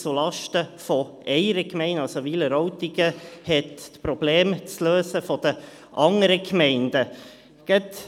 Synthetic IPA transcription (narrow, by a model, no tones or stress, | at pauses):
t͡sulɑʃtəfɔʔɛɪəɾəkmɛɪnɑlsoʋiləɾɔʊt̪iɡəhɛt̪tpɾɔb̥leːmt͡sløːsəfɔd̥̪ə | ʔɑŋəɾəkʰmɛɪndə | ɡ̥ɛt̪